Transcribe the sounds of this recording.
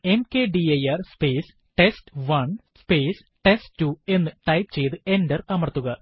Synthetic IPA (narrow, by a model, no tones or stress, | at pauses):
e̞mkeːɖiɐjɐrspeːs | ʈestʋɐɳspeːs | ʈesʈtːue̞nːɨʈɐjpt͡ɕe̞jt̪ɨe̞ndɐrɐmɐrt̪ːuɣɐ